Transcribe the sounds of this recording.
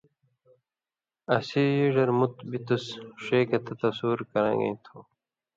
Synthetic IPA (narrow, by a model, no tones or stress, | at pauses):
ɐsiːjiɖɐɾmut̪bit̪usʂeːkɐt̪ɐt̪ɐsuːɾkɐɾɐ̰̃ːŋɡḛĩt̪ʰuː